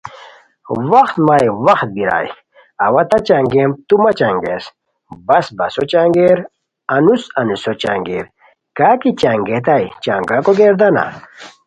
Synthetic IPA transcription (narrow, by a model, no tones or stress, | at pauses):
wɐxt̪maːjwɐxt̪̚biɾa̰ːj | ɐwɐt̪ɐt͡ɕaŋɡemt̪umɐt͡ɕaŋɡḛs | bɐsbɐsot͡ɕaŋɡeɾ | ɐnusɐnusot͡ɕa̰ŋɡeːɾ | kaːkit͡ɕaŋɡet̪ajt͡ɕaːŋɡakoɡeːɾd̪ɐna̰